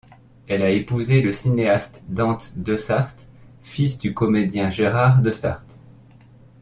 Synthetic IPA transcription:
ɛlaepuzeləsineast̪d̪ɑ̃t̪d̪əsaʁt̪ | fisd̪ykɔmed̪jɛ̃ʒeʁaʁd̪əsa̰ʁt̪

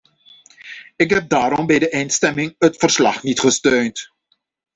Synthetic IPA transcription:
ɪkɦɛp̚daːɾɔmbɛjdəʔɛjnstɛmɪŋətfərslɑ̰χnitχəstøːnt

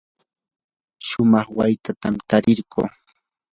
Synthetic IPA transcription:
ʃʊmɑχwajt̪at̪amt̪aɾɪɾɢṵː

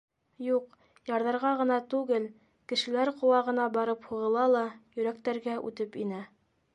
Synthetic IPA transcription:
juq | jɑɾðɑɾʁɑʁɤ̆nɑt̪ʉɡɘl | kɘ̆ʃɘ̆læɾqŏwɑʁɤ̆nɑbɑɾɤphuʁɤ̆lˠɑlˠɑjɵ̆ɾæk̚t̪æɾɡæʔʉ̰t̪ɘpinæ

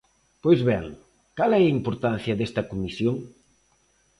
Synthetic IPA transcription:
pojzβɛŋ | kalɛɐimpoɾt̪an̟θjɐðest̪ɐkomisjoŋ

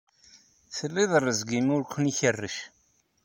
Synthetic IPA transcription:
θəlːiðˤərːəzɡimʊɾkʷːəniçərːəʃ

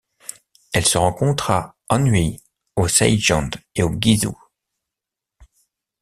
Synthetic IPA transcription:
ɛlsəʁɑ̃kɔ̃t̪χa | ɑ̃nɥi | osɛ̰jʒɑ̃d̪eoɡʲizṵ

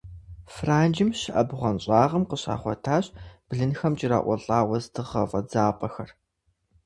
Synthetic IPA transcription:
fraːnd͡ʒɪmʃɪʔɐbʁʷɐnɕʼaːʁɐmqəɕa̰ːχʷɔtʰaːɕb̥ɮɨnxɐmt͡ʃʼɪra̰ːʔʷɔɬʼaːwɐztʰɨʁɐfʼɐd͡zaːpʼɐxɐr

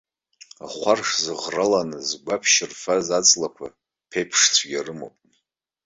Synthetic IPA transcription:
a̰χʷarʂzɨʁralanɨzɡʷapʰʃɪrfazat͡sʼlakʷʰa̰ | pʰejpʰʂt͡sʷʰɡʲarɨmo̰wpʼ

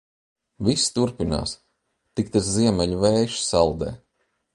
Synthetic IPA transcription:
vist̪uɾpina̰ːs | t̪ikt̪aɾziɛmʲɛʎʲuvɛːjʃsalˠd̪ɛ̰ː

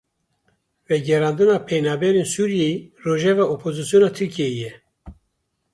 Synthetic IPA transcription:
vɛɡɛɾɑːnd̪ɨnɑːpʰɛjnɑːbɛɾeːnsuɾijeroːʒɛvɑːopʰozɨsjoːnɑːt̪ʰɨɾkʰijejɛ

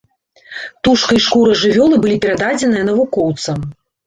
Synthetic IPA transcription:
t̪uʂkɐjʂkuɾɐʐɨvʲɔlˠɨbɨlʲipʲɛɾad̪ad͡zʲɛnɨjɐn̪ɐvukɔwt̪sɐm

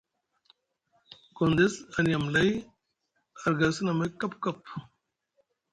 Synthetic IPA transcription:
kond̪esɐnijɐmlɐj | ɐɾɡɐsɐnɐmɐkɐpkɐpʰ

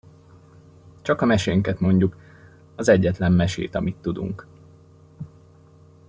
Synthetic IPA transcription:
t͡ʃɒkɒmɛʃeːŋkɛt̪mo̞ɲɟuk | ɒzɛɟːɛt̪lɛmːɛʃḛːt̪ɒmit̪ːud̪ṵŋk

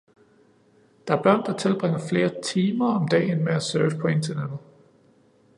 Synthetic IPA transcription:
d̥ɑ̈æɐb̥ɶɐ̰nd̥ɑ̈t͡sʰe̝lb̥ʁeŋ̰ɐfle̝ːɐt͡sʰiːmɐɒ̽md̥ɛ̰ːnmeæsøːʋpʰɒ̽e̝nt͡sʰɐned̥ð̩ˠ

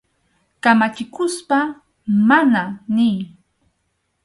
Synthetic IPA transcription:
kamat͡ʃɪkʊspa | mananɪː

